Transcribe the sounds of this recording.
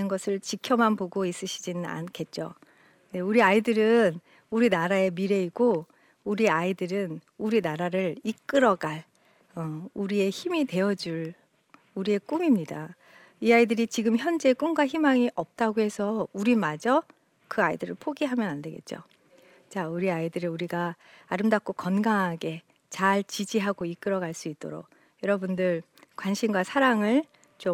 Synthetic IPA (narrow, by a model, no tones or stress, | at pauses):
nɯnɡʌsʰɯɭt͡ɕikʰjʌmanpoɡois͈ɯɕʰid͡ʑinɯna̰nkʰe̞t̚t͡ɕ͈o̰ | ne̞uɾiaidɯɾɯn | uɾinaɾae̞miɾe̞iɡo | uɾiaidɯɾɯn | uɾinaɾaɾɯɭik͈ɯɾʌɡaɭ | ʌuɾie̞çimide̞jʌd͡ʑuɭ | uɾie̞k͈umimɲida | iaidɯɾit͡ɕiɡɯmçjʌnd͡ʑe̞k͈umɡwaçimaŋiʔʌp̚t͈aɡoɦe̞sʰʌuɾimad͡ʑʌ | kɯaidɯɾɯɭpʰoɡiɦamjʌnande̞ɡe̞̰t̚t͡ɕ͈o̰ | t͡ɕauɾiaidɯɾɯuɾiɡaː | ɾɯmdak̚k͈okʌnɡaŋɦaɡe̞ | t͡ɕaɭt͡ɕid͡ʑiɦaɡoik͈ɯɾʌɡaɭs͈uit̚t͈o̰ɾo̰k̚ | jʌɾʌbundɯɭ | kwanɕʰimɡwasʰaɾaŋɯɭ | t͡ɕo